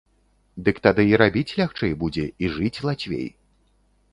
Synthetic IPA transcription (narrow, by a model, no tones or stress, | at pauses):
d̪ɨkt̪ad̪ɨiɾabʲit͡sʲlʲaxt͡ʂɛjbud͡zʲɛiʐɨt͡sʲlˠat͡sʲvʲḛj